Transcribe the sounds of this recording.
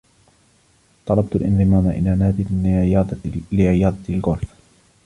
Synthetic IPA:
t̪ˤɑlɑb̚t̪ʊlʔɪ̰nðˤɨmaːmaʔɪ̰laːnaːd̪ɪɑːd̪lɪʕɪjɑːd̪ˤɑɪlɣʊɾf

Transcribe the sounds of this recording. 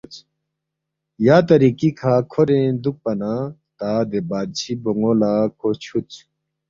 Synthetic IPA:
t͡ɕ | jaːt̪ɐɾikikʰaːkʰoɾẽd̪uk̚pɐnat̪aːd̪ebaːd̪̚t͡ɕʰiboŋolaːkʰot͡ɕʰut͡ɕ

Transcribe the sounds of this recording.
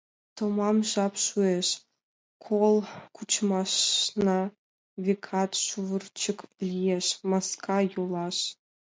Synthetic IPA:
t̪omɑmʒɑpʃueʃ | kʰolˠkut͡ɕmɑʃnɑ | vʲekʰɑt̪ʃuvərt͡ɕə̆klʲijeʃmɑskʰɑjulˠɑʃ

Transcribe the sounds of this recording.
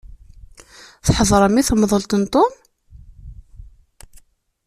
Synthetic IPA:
θħəðˤɾˤəmːiθəmðˤəlt̪ənt̪ˤom

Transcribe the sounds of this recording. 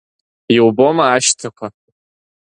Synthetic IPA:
jiwbomɐaːʃtʰɐkʷʰa

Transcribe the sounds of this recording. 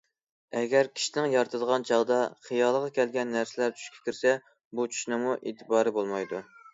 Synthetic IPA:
ɛɡʲɛɾkʲʰi̥ʃinɪŋjɑɾt̪ʰɨd̪əʁɑnt͡ʃʰɑʁd̪ɑχijɑlˠəʁɑkʲʰɛlɡʲɛnːæɾsɪlæɾt͡ʃ̪ʰy̥ʃkʲʰɛ̥kʲʰiɾsɛ | but͡ʃʰy̥ʃnɪmuʔet̪ʰɪbɑːɾɨbolˠmɑjd̪u

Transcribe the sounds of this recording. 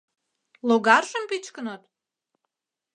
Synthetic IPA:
loɣɑrʒəmpit͡ɕkənot̪̚

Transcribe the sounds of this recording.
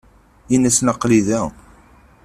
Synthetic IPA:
inæsnəqːliðæ

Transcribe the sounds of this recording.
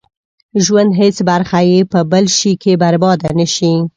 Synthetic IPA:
ʒwand̪ɦet͡sbaɾxajepəbəlʃikebaɾbɑd̪anəʃi

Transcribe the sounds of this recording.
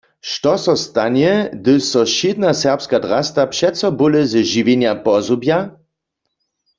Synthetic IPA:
ʃtɔsɔst̪anɛd̪ɨsɔʃɪd̪nasɛʁpskad̪ʁast̪apʃɛt̪sɔbuləzɛʒiʋenjapɔzubja

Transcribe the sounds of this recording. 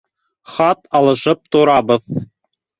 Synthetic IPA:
χɑt̪ɑlˠɤ̆ʃɤp̚t̪ŏɾɑbɤð

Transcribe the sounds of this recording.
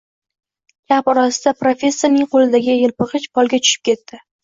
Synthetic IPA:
ɡʲapɒɾɒsɪd̪̥apɾofʲe̞sːonɪŋqolɪd̪aɡʲɪjɪlpɨqɨʃpʰɒlˠɡʲat͡ʃ̪ʰʊ̥ʃɪp̚kʲʰe̞t̪ːɪ

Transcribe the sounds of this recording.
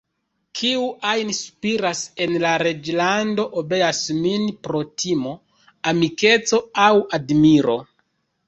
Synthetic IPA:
kʰiuʔajnsu̥piɾase̞nlaɾe̞d͡ʒlando̞ʔobe̞jasminpɾo̞tʰimo̞ | amike̞t͡so̞awadmiɾo̞

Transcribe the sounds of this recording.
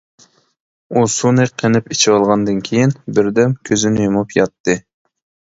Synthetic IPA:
usunɨqʰenɪpit͡ʃʰiwɑlˠʁɑnd̪ɨnkʲʰejinbɪɾd̪ɛmkʲʰøzɪnɪjomupʰjɑt̪ːɨ

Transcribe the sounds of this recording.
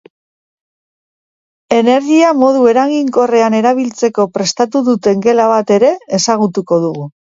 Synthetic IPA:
e̞ne̞ɾɣiamo̞ð̞ue̞ɾaɣiŋko̞re̞ane̞ɾaβ̞ilt͡se̞ko̞pɾe̞st̪at̪uðut̪e̞ŋɡe̞laβ̞at̪e̞ɾe̞esaɣ̞ut̪uko̞ð̞uɣu

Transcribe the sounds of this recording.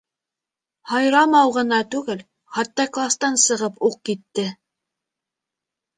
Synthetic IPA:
hɑjɾɑmɑwʁɤ̆nɑt̪ʉɡɘl | χɑt̪ːɑklˠast̪ɑnsɤ̆ʁɤpuq̚kit̪ːɘ

